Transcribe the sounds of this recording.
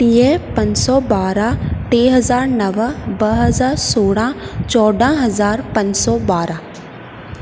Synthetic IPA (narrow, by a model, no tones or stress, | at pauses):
piepɐ̃ɲsɔbaːɾat̪eːɦɐzaːɾnɐʋəbɐɦɐzaːɾsoːɽãt͡ʃɔːɖʱãɦɐzaːɾpɐ̃ɲd͡ʒsɔbaːɾa